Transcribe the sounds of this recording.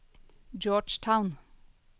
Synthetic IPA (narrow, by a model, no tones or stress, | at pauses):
d͡ʒɔːɖt͡ʃtʰaʊn